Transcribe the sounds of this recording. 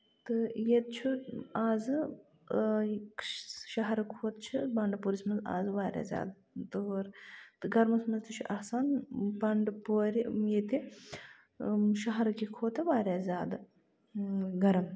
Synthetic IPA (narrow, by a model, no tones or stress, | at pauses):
t̪ɨjet̪̚t͡ʃʰuaːzɨ | kʃɐɦɐɾɐkʰoːt̪t͡ʃʰibɐɳɖpuːɾismɐnza̰ːzɨʋaːɾʲja̰ːzʲja̰ːd̪ | t̪ɨɦoɾt̪ɨɡɐɾmɐsmɐzt̪ɨt͡ʃʰuʔɐhsaːnbɐɳɖɨpoːɾijet̪i | ʃɐɦɐɾɐkikʰoːt̪ɐʋaːɾʲjaːzʲaːd̪ɨ | ɡɐɾɐm